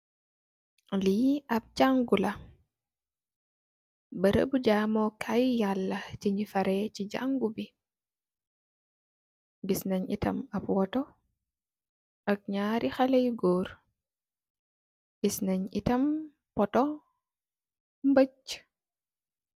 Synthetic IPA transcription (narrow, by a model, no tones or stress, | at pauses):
liʔab̚d͡ʒaŋɡula | bəɾə̰bud͡ʒaːmɔkʰajjalːat͡ʃiɲifaɾɛt͡ʃid͡ʒa̰ŋɡubi | bisnaɲḭtɐ̰mabwɔtɔ | ʔak̚ɲaːɾʔixalajɡoːɾ | bisnaɲitɐm | pɔtɔ | mbət͡ʃː